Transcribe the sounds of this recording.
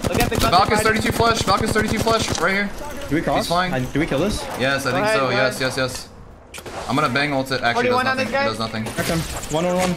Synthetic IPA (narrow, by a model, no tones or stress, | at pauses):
tððəvælˠkɨ̃sθɜ˞ɾitʰʉflɛʃbælˠkɨ̃z̥θɜ˞ɾitʰʉflɛʃɹaɪhiɹd̥ɨwikʰɹ̥ɔisfãɪ̃ŋd̥ɨwikʰɪlˠðɪsjɛsaɪθɪ̃ŋksoʊjɛsjɛsjɛs | ãɪ̃mɡʌnəbæ̃ŋotɨɾʔæk̚wʌ̃ñnðɪsɡ̥aɪəznʌθɪ̃ŋɛsɨ̃mwʌ̃nəwʌ̃n